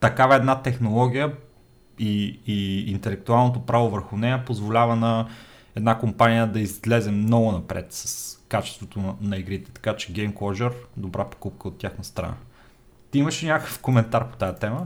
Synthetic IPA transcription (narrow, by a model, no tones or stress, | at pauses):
t̪ɐkavɐɛd̪nat̪ɛxnolˠɔɡʲijə | iː | nt̪ɛlɛk̚t̪ualˠnot̪̬opɾavovəɾxʊnɛjəpozvolʲavɐnɐ | ɛd̪nakompanʲijəd̪ɐizlɛzɛmːnɔɡʊnɐpɾɛ̰t̪sɐ̥skat͡ʃɛst̪vot̪onɐiɡɾit̪ɛ̥t̪ɐ̥kat͡ʃɛ̥ɡɛjmkˠɔʒɛɾd̪obɾapo̥kup̚kəot̪ʲːjaxnəst̪ɾɐ̰na̰ | t̪iiməʃinʲakəkə̥fkomɛnt̪aɾpo̥t̪ajət̪ɛmə